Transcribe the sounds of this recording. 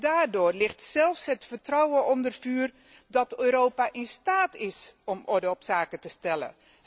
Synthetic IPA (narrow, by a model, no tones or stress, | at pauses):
daːrdoːrlɪxtsɛlˠfsɦətfərtrɔwəʔɔndərfyːr | dɔtøːɾoːpaʔɪnstaːtɪsɔmʔɔɹdəɔpsaːkətəstɛlə̰